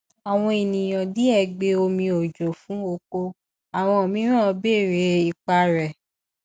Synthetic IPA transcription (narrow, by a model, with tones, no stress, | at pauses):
a˨w̃ɔ̃˧e˨nĩ˨j̃ɔ̃˨di˨˦ɛ˦˨ɡ͡be˧˦o˧mĩ˧o˨d͡ʒo˨fũ˨˦o˧ko˧ | a˨w̃ɔ̃˧o˨mĩ˨˦ɾ̃ã˦˧be˦˨ɾe˨˦i˨k͡pa˧ɾɛ˨